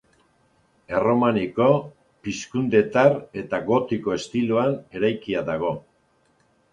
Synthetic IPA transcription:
e̞ro̞maniko̞ | piskund̪e̞t̪are̞t̪aɣo̞t̪iko̞e̞st̪iloane̞ɾajkiaðaɣ̞o̞

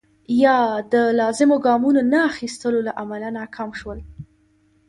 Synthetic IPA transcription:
jɑd̪əlɑzɪmoɡɑmunonaːxist̪əlolaʔamalanakʰɑmʃwəl

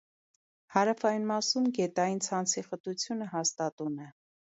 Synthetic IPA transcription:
hɑɾɑfɑjinmɑsumɡɛt̪ɑjint͡sʰɑnt͡sʰiχət̪ut͡sʰjunəɦɑst̪ɑt̪unɛ

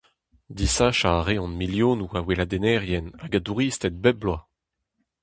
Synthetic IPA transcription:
d̪isaʃaːʁeɔ̃nmiljoːnuawelad̪enɛʁjɛnaɡad̪uʁist̪ɛt̪̚bɛblwa

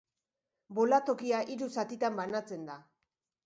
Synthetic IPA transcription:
bo̞lat̪o̞kiaʔiɾusat̪it̪ambanat͡se̞nd̪a

